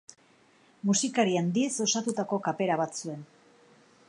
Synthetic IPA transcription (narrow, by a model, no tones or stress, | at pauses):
musikaɾiand̪ieso̞sat̪ut̪ako̞kape̞ɾaβat͡sue̞n